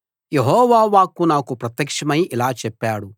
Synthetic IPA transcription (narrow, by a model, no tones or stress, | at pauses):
jeɦɔːʋaːʋaːkunaːkupɾɐt̪jɐkʂɐmɐjilaːt͡ʃɛpːaːɽu